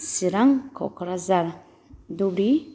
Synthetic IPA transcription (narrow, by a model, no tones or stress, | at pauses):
siɾaŋkʰɔ̰kʰɾazaɾ | d̪ubɾi